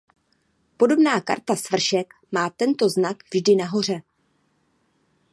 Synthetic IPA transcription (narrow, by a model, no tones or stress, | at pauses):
po̞do̞bnaːka̰ɾt̪asvr̩ʃɛk | maːt̪ɛnt̪o̞znakvʒdɪnaɦo̞r̝ɛ